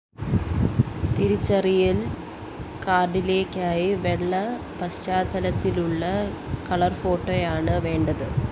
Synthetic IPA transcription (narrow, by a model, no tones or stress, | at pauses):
t̪iɾut͡ɕːɐrijil | kaːrɖile̞ːkʲːaːjiʋeɭːɐ | pɐɕt͡ɕaːd̪ʱɐlɐt̪ːiluɭːɐkɐɭɐrfo̞ːʈːoːjaːɳɨʋe̞ːɳɖɐðɨ